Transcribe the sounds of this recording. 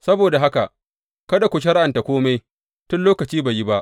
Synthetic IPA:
sɐ˦boː˨da˨ɦa˦ka̰˨ʔ | kɐ˦da˨kʷʊ˨ʃ̬ɐ˦ɽʔa˨nta˨kʷoː˦ma˦j | tʊ˦nloː˦kɐ˨t͡ʃiː˦ba˨ji˦ba˦ʔ

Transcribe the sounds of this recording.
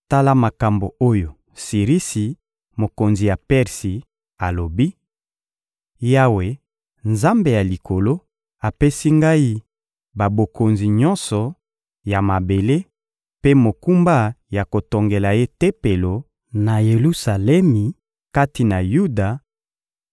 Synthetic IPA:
ta˦la˦ma˨ka˨mbo˨o˦jo˨ | si˨ʁi˦si˨ | mo˨ko˨nzi˨ja˨pɛ˦ʁsi˨ | a˨lo˨bi˦ | ja˦we˨ | nza˦mbe˨ja˨li˨kʰo˨lo˦ | a˨pe˦si˦ŋɡa˦i˦ | ba˨bo˨ko˨nzi˨ɲɔ˦nsɔ˨ | ja˨ma˨be˨le˦ | pe˦mo˨ku˦mba˦ja˨ko˨to˨ŋɡe˨la˨je˦te˦pe˨lo˨ | na˨je˨lu˦sa˨lɛ˦mi˨ | ka˦ti˨na˨ju˦da˨

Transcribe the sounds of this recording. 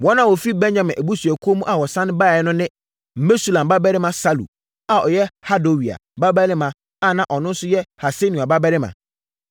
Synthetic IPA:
wɔ˦nã˦˨wɔ˨fi˦bɛ̃˦nɲã˨mɪ̃˨ʔæ˨bu˦su˨æ˨kʰu˦o˦mũ˦ʔa˨wɔ˨sã˦nɪ̃˦ba˦˨ɛ˦nʊ̃˦nɪ̃˦ | m̩˨me˦su˦lã˨m˨ba˦bɛ˦ɾɪ˦mã˨sa˦lṵ˨ | a˨ɔ˨jɛ˦ha˦do˨wi˨a̰˨ba˦bæ˦ɾɪ˦mã˨ | a˦˨nã˨ʔɔ˨nʊ̃˦n̩˦sʊ˦jɛ˦ha˨se˦nũ˨a˨ba˦bɛ˦ɾɪ˦mã̰˨

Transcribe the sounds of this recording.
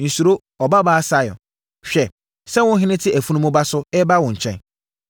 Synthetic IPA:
n̩˨su˨ɾo˦ | ɔ˨ba˦baː˦sa˦jɔ̰˨ | ɕᶣɛ˨ | sɛ˦wʊ̃˦n˦ɦɪ̃˦nɪ̃˦tʰɪ˦ʔæ˨fu˦nũ˦mʊ̃˦ba˦sʊ˦ɛ˦ba˦wʊ̃˨ɲ̩˨t͡ɕʰɛ̰̃˦n

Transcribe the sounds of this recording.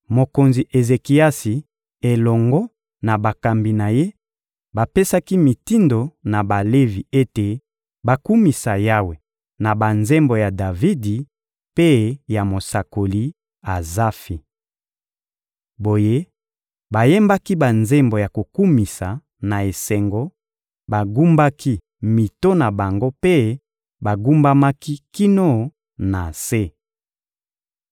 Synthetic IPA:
mo˨ko˨nzi˨ʔe˨ze˨ki˨a˦si˨ | e˨lɔ˨ŋɡɔ˦ | na˨ba˨ka˨mbi˨na˨je˦ | ba˨pe˦sa˦ki˦mi˨ti˦ndo˨na˨ba˨le˦vi˨e˦te˨ | ba˨ku˦mi˨sa˨ja˦we˨ | na˨ba˨nze˦mbo˨ja˨da˨vi˦di˨ | pe˦ja˨mo˨sa˨ko˨li˦ | a˨za˦fi˨ | bo˨je˦ | ba˨je˦mba˦ki˦ba˨nze˦mbo˨ja˨ko˨ku˦mi˨sa˨ | na˨e˨sɛ˨ŋɡo˦ | ba˨ɡu˦mba˦ki˦ | mi˨to˦na˨ba˨ŋɡo˦pe˦ | ba˨ɡu˦mba˦ma˦ki˦ki˦no˦˨ | na˨se˦

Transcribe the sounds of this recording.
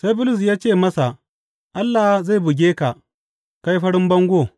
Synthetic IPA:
sa˦jbʊ˦lʊ˨s̬jaː˦t͡ʃeː˦˨mɐ˦sa˨ | ʔa˦lːa˨hza˦˨bʊ˨ɡʲeː˦ka˨ | ka˦jɸɐ˦ɽɪ˦mbɐ˦ŋɡʷo˦˨

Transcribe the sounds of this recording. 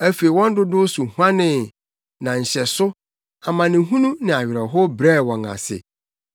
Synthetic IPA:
æ˦fe˨i˨wɔ̃˦n˦dʊ˦dʊ˦sʊ˨hu˦ã˦nɪ̃˨ | nã˨ɲ̩˨ɕɛ˨sʊ˦ | a˨mã˨nɪ̃˨ɦũ˦nũ˦nɪ̃˨a˨ɥɪ˨ɾɛ˨ɦɔ˦bɾɛ˦˨wɔ̃˨ŋa̰˨sɪ̰˨

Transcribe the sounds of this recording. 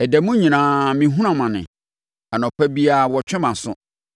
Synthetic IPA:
ɛ˨dɛ˨mũ˦ɲĩ˨nãː˨˦mĩ˨ɦũ˦ɾã˨mã˨nɪ̰̃˨ | a˨nɔ̃˨pʰæ˦bi˦a˦˨wɔ˨t͡ɕʰᶣɪ̃˦mã˨sʊ̰̃˦

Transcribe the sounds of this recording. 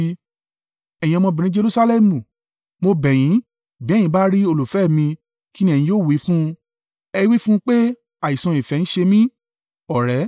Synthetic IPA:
ɛ̃˨ĩ˧ɔ̃˧mɔ̃˧bĩ˨nĩ˨˦d͡ʒe˧ɾu˦sa˧lɛ˦˨mũ˨ | mo˧bɛ˨j̃ĩ˨˦ | bi˨˦˨jĩ˨˦ba˦ɾi˦o˧lu˨fɛ˦˨mĩ˧ | ki˦nĩ˦˨ĩ˧joː˦˨wi˨˦fũ˦ | ɛ˧˦wi˦fũ˦k͡pe˦ | a˨i˨sã˧i˨fɛ˨˧ñ̩˦ʃe˧mĩ˦ | ɔ˨ɾɛ˨˦

